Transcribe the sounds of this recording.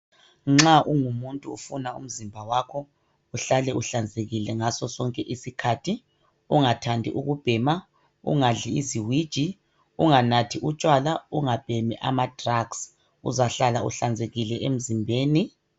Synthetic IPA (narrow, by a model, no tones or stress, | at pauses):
ŋ͡ǁaʔuŋumuntʼuufunaṵm̩zimbʱawaːkʰɔ | uɬalɛuɬand͡zʱeɣilɛŋasɔsɔŋkʼɛʔisikʰatʰi | uŋatʰandʱḭʔuɣub̥ʱɛma | ṵŋaɮiḭziwid̥ʒ̥ʱi | uŋanatʰiʔut͡ʃʼwalauŋab̥ʱɛmɛʔamad̥raɡs | ṵzaɬalaṵɬand͡zʱeɣilɛʔem̩zimbʱeːni